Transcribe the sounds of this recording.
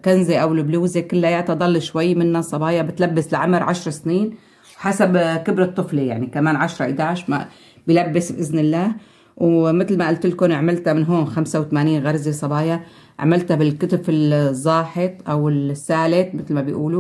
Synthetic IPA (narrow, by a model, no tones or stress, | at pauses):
kanzeʔawlbluːzekɪlːʔajaːt̪ɑd̪ˤɑlːʃwajːmɪnːasˤɑbɑːjabɪt̪labːɪslaʕamɾʕaʃɾˤsniːn | wħasabkɪbɾɑt̪ˤːɨflija̰ʕnikamaːnʕaʃɾˤɑʔɪd̪aːʕʃma̰ | bilabːɪsbʔɪznɪlːaːh | wmɪt̪lmaʔalt̪ɪlkʊnʕmɪlt̪amɪnɦoːnxamsawt̪amaːniːnɣaɾˤzesˤɑbɑːja | ʕamɪlt̪abɪlkʊt̪ʊfɪlzˤːɑːħɪt̪ˤʔawɪlsːaːlɪt̪mɪt̪lmabɪjʔuːlu